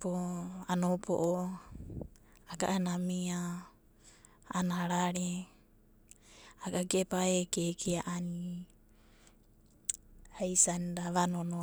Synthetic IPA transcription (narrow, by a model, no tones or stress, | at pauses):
poanopo̰ʔo | aɡa̰ʔanamia | naɾaɾe | aɡaɡepaekekʰeaʔani | hajsandaβanono